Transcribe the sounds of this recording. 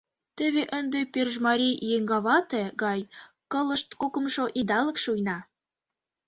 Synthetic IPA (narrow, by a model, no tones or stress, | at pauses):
t̪ə̆βeʔənd̪eperʒmɑɾʲijeŋɡɑβɑt̪ĕɡɑj | kɤlə̆ʃt̪kokə̆mʃoʔid̪ɑlə̆kʃujnɑ